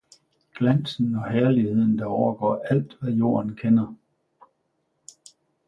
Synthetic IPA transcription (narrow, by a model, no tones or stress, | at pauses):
ɡ̥læn̰sn̩ɒ̽hæɐlihe̝ð̞̰ˠn̩d̥ɑ̈ɒʊɐɡ̥ɒ̰ːæl̰d̥ʋæjo̝̰ːɐn̩kʰenɐ